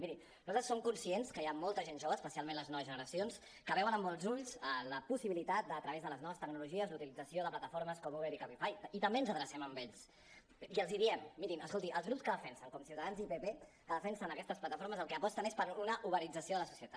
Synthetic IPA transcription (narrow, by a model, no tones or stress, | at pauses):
miɾi | nuzat̪ɾəsomkunsienskəjamɔlˠt̪əʒenʒoβəːspəsialmẽnləznɔβəzʒənəɾəsions | kəβɛwənəmːɔlˠzuʎsələpusiβilit̪at̪̚d̪ət̪ɾəβezðələznɔβəst̪əɡnuluʒiəzlut̪ilid͡zəsioðəplat̪əfoɾməskɔmuβelikapifajit̪əmbeənzəðɾəsɛməmbɛʎs | iəlˠziðiɛmːiɾiməskolˠt̪iʔə̰lˠzɣɾupskəðəfɛnsəŋkɔmsiwt̪əðanzipepe | kəðəfɛnsənəkɛst̪əs̬plət̪əfoɾməzəlˠkɛːpɔst̪ənespəɾunəʔuβəɾid͡zəsioðələsu̥siət̪a